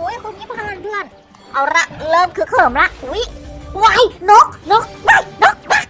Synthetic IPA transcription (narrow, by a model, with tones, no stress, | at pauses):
u˨˦jkʰo˧˩ŋmiː˧˥˩pʰːaː˧˩ndɯ˧ən | ʔa˧˩wɾa˧˥˩lɤː˧mkʰɯ˧˩˦kʰɤː˨˩mla˦˧˥ʔhu˨˦jwa˧˩jno˦˥k̚no˦˥k̚a˧˩jnɔ˦˥k̚ma˧˥˩